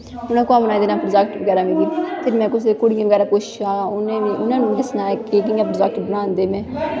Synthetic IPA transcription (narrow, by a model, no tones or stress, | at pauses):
ʊnãːkoaːbənaːid̪eːnaːpɾəd͡ʒɛːk̚ʈʋəɡɛːɾaːmɪ̃d̪iːp̪ʰɪɾmɛ̃ːkʊs̬ekʊɽɪjãʋəɡɛːɾaːpoːʃɪ̥ʃaːʊnẽːĩːʔʊnãːnũːd̪ɪsnaːɛkeːk̬ɪãːpɾzək̚ʈbənãːnd̪eːmɛ̃ː